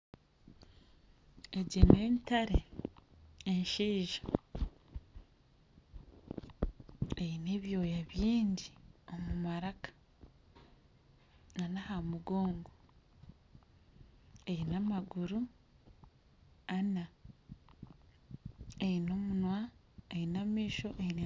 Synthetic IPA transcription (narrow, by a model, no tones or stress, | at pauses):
eɟeneːntaɾe | eɲʃiːʒa | ejineːβjo̞ːjaβjiːɲɟio̞mumaɾakḁ | ŋanahamuɡo̞ːŋɡo | ejinamaɡuɾu | ana | ejino̞munwa | einamiːʃo̞ʔeine